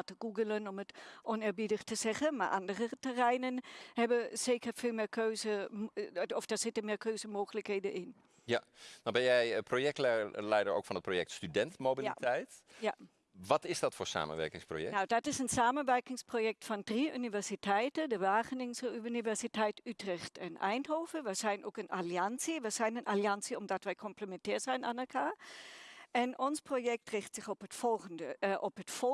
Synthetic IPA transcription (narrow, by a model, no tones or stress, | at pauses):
təɡuɡələnɔmətʔɔnɪːɹbidəxtəz̥ɛxənma̰ɹʔa̰ndərətɛrɛjnənhɛbəseːkərfeːlˠmɪːkʰøːzə | ɔfd̥asɪtəmɪːkʰøːzəmoːxələkheːdəʔɪn | janɔbɛnjɛjprojɛk̚tlɛlɛjdəɹo̰ːkfɑnət̚projɛk̚tstydɛntmobilitɛjta | ʋɑtɪsdɑtfoːɹsa̰ːmə̰nʋɛ̰ɹkɪŋspro̰jɛ̰nawdɑtɪsənsaːmənʋɛɹkɪŋsprojɛk̚tfɔndriʔynivɛɹsitʰɛjtədəʋaːχənɪŋsynivɛɹsitʰɛjtytrɪxtɛnʔɛ̰jnɦoːfəʋəz̥ɛjnʔokənʔaliɑnsiʋəz̥ɛjnənʔaliɑnsiɔmdɑtʋɛjkʰɔmpləmɛntɛːɹzɛjnʔanəkʰaː | ɛnɔnsprojɛk̚trɪxtsɪxɔpətfɔlənəʔɔpɦətfɔ